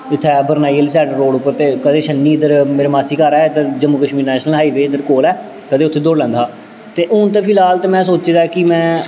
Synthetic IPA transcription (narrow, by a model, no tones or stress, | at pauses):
ɪt̪ʰːɛːbəɾnaːijːəlsɛːɖəɾoːɖʊpːəɾt̪eːkəd̪eːʃənːiːɪd̪əɾmeːɾeːmaːsiːkaːɾɛːɪd̪əɾd͡ʒəmːuːkəʃmiːɾnɛːʃnəlɦaːiːʋeːɪd̪əɾkoːlɛː | kəd̪eːʊt̪ʰːeːd̪oːɽlɛ̃ːnd̪aː | t̪eːʔʊnt̪̬eːpʰɪlaːlt̪eːmɛ̃ːsoːt͡ʃeːd̪aːkɪmɛ̃ː